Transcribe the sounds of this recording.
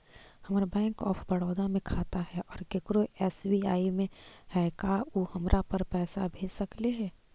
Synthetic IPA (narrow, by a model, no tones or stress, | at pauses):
hɐmːɾabɛ̃ːŋkɔːpʰbɐɽɔːd̪amẽkʰaːt̪aɦɛʔɔːɾɡekɾoʔɛːswiaːimẽhɛkaːuhɐmɾʔapɐɾpɛːsabʱeːd͡ʒsɐkleɦɛː